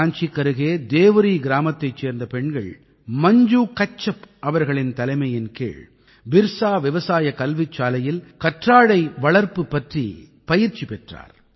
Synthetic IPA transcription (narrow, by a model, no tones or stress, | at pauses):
aːnt͡ʃikːɐɾɯɣeːd̪eːʋɯɾiɡɪɾaːmɐt̪ːɐɪt͡ʃːeːɾnd̪ɐpɛɳɡɐɭ | mɐɲd͡ʒuːkɐt͡ʃːɐpʔɐʋɐɾɣɐɭɪnt̪ɐlɐɪmɐjɪnkḛːɭ | bɪɾsaːʋɪʋɐsaːjɐkɐlʋɪt͡ʃːaːlɐjɪlkɐʈraːɽɐɪʋɐɭɐɾpɯpːɐʈrḭ | pɐjɪɾt͡ʃːipɛʈra̰ːɾ